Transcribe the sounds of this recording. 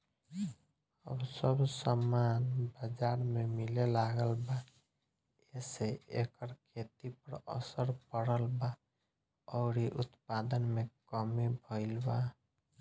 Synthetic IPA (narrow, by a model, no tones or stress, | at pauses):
ə̰bsəbʱsəmanbəd͡ʒaɾmemilelaɡəlba | eseekəɾkʰet̪ipəɾə̰səɾpəɽəlba | ɔʊɾiʔut̪pad̪ənmekəmibʱəɪlba